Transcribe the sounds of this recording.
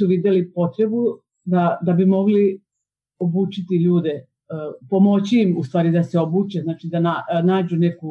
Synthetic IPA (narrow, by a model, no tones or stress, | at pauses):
uʋid̪jelipo̞t̪ɾe̞bu | d̪ad̪abimo̞ɡli | o̞buːt͡ʃit̪iʎuːd̪e | po̞mo̞t͡ɕiːmust̪ʋaːɾid̪aseo̞buːt͡ʃeznaːt͡ʃid̪ananaːd͡ʑune̞ku